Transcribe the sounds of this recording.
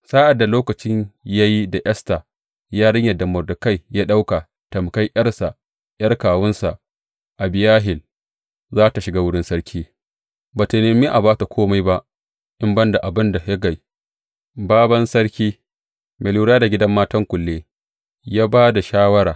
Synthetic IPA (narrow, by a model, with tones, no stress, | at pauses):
saː˦ʔa˨dːa˨loː˦kɐ˨t͡ʃɪ˦ɲja˦ji˦da˨ʔɐ˦sta˨ | jaː˦ɽɐ˦ɲjɐ˨da˨mɔ˨rdʊ˨ka˦jjaː˦ɗa˦wka˨ | tɐ˨m˨ka˦jʔj̰ɐ˦ɽsa˨ | jɐ˦rkaː˨wʊ˦nsa˨ʔ | ʔa˨bɪ˨jaː˦ɦɪ˨l | zaː˦ta˨ʃɪ˨ɡaː˦wʊ˦ɽɪ˦nsɐ˦ɽkʲʰiː˦ | baː˨ta˨neː˨miː˦ʔa˨baː˦ta˨kʷʰoː˦ma˦jba˦ʔ | ʔɪ˦mbɐ˦nda˨ʔa˨bɪ˦nda˨jɐ˦ɡa˨j | baː˦bɐ˦nsɐ˦ɽkʲiː˦ | mʔeː˨luː˦ɽaː˦da˨ɡʲɪ˦dɐ˦mːaː˦tɐ˦ŋkʷʊ˨lːeː˦ | jaː˦baː˦da˨ʃaː˦wɐ˦ɽaː˨